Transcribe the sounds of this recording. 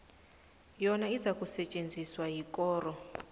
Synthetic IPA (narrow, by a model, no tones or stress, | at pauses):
jɔnaizakʼusɛt͡ʃʼend͡zʱiswajikʼɔːrɔ